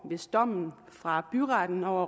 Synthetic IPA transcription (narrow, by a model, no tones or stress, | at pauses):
ʋe̝sd̥ɒ̽m̰n̩ | fʁɑ̈b̥yʁɑd̥n̩ɒʊɐ